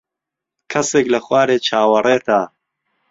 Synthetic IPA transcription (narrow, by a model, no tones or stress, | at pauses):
kʰɐseːklɐχwaːɾeːt͡ʃʰaːwɐreːt̪ʰaː